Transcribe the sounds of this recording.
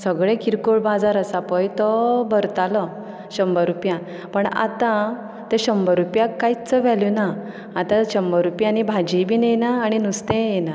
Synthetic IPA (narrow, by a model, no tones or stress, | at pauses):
səɡɭẽkʰiɾkoɭbad͡zaɾəsapɔjt̪ɔbəɾt̪alɔ | ɕəmbəɾupjã | pəɳa̰t̪ã | t̪ẽɕəmbəɾupjãkːajit͡səʋɛlunaː | t̪ãɕəmbəɾupjãnibʱad͡ʑibʱinejnaːɽ̃inust̪ẽjena